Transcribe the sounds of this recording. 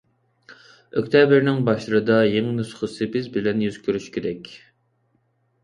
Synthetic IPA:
økʲt̪ʰɛbɪɾnɪŋbɑʃlˠɨɾɨd̪ɑjeŋnusχəsɨpɪzbɪlɛnjyz̥kʲʰøɾyʃkʲʰeɾɛkʲ

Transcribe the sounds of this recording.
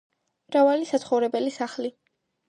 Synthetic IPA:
mɾavalisat̪sʰχɔvɾɛbɛlisaχli

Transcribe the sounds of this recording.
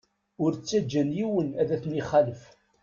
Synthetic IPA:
ʊɾt͡sːæd͡ʒːænjiwənæðæθniχaləf

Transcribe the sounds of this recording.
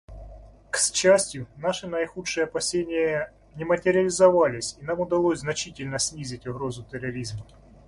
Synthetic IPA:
ksʲt͡ɕæsʲtʲjʊnaʂɨnəjɪxutʂɨjəɐpɐsʲenʲɪjə | nʲɪmətʲɪɾʲɪəlʲɪzɐvalʲɪsʲinamʊd̪ɐlˠosʲznɐt͡ɕitʲɪlʲnəsʲnʲizʲɪtʲʊɣɾo̞zʊt̪əɾɐɾʲizmɐ

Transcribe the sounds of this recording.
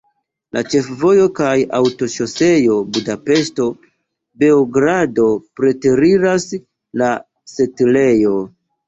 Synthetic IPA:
lʔa̰t͡ʃe̞fvo̞jo̞kajawto̞ʃo̞se̞jo̞budape̞sto̞ | be̞oɡɾado̞pɾe̞teɾiɾas | la | setle̞jo̞

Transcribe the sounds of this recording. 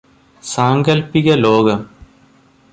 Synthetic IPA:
saːŋɡɐlpiɣɐloːɡɐm

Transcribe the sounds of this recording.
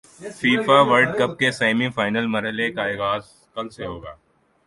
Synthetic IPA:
fiːfaʋɐɾɖkɐpkeseːmĩfaːɪnəlmɐɾɦəlekaiɣaːz | kɐlseɦoːɡa̰ː

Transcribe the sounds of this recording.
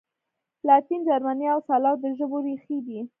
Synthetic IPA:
lɑt̪ind͡ʒaɾmaniawsɑlɑɾd̪əʒəboɾixid̪i

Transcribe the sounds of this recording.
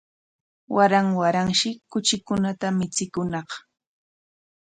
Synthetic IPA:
waɾaŋwaɾaŋʃɪkʊt͡ʃɪkʊnat̪amɪt͡sɪkʊnɑχ

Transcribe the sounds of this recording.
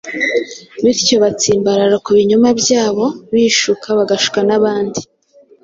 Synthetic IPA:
βiɾco̞βat͡siːmbaɾaɾakuβiɲumabjaːβo̞βiːʃukʰaβaɡaʃu̥kanaβaːndi

